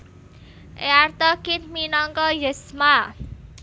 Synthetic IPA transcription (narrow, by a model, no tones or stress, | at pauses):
ʔeart̪ɔkɪt̪minɔŋkɔjəsma